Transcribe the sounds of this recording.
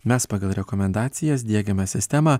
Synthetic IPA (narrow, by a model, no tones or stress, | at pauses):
mʲɛspɑːɡɐlˠɾʲɛkɔmʲɛnd̪ɑːt̪sʲɪjɛs̬d̪ʲiɛɡʲɛmʲɛsʲɪsʲt̪ʲɛmɑː